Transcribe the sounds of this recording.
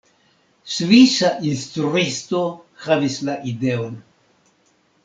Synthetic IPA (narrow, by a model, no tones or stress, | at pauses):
sviʃaʔinst̪ɾuist̪o̞havislaʔideon